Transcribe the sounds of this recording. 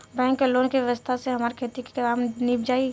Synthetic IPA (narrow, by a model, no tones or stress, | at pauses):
bɛ̃ːŋkːeloːnkiʋjɐʋəst̪ʰaseɦɐmaːɾikʰeːt̪iki̥kɐɾaːmniːpd͡ʒaːi